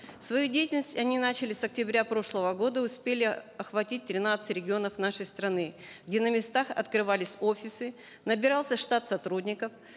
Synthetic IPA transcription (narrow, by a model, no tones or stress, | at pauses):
fsvɐjudʲejtʲɪlʲnəsʲtʲɐnʲinat͡ɕɪlʲɪsɐk̚tʲɪbɾʲapɾo̞ʂlˠəvəɡo̞d̪əʊspʲelʲɪɐxvɐtʲit̚ʲt̪ɾʲɪnat̪sɨtʲɾʲɪɡʲɪo̞nəfn̪aʂəjst̪ɾɐnɨ | ɡdʲe̞nəmʲɪst̪axɐ̰t̪kɾɨvalʲɪsʲofʲɪsɨ | nəbʲɪɾalˠsʲəʂt̪at̪sɐt̪ɾudʲnʲɪkəf